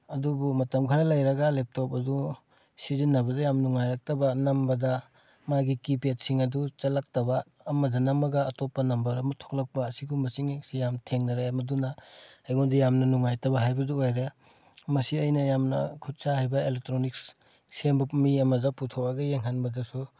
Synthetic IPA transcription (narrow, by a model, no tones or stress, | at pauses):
ɐdubumɐtɐmkʰaɾɐlɐjɾɐɡɐlep̚top̚ɐdu | sizinːɐbɐdɐjamnuŋːajɾak̚tɐbɐnɐmbɐdɐ | maɡikipet̚siŋɐdut͡ʃɐlak̚tɐbɐː | mɐdɐnɐmɐɡɐːtopːɐnɐmbɐɾɐmɐtʰo̥k̚lɐk̚pɐːsiɡumɐsiŋksijamtʰeŋnɐɾamɐdunɐajɡondijamnɐnuŋːajtɐbɐɦajbɐduojɾe | mɐsiɐjnɐjamnɐ̰kʰut̚sahajbɐelek̚tɾoniks | sembɐmiɐmɐdɐputʰowaɡɐjeŋɦanbɐdɐsu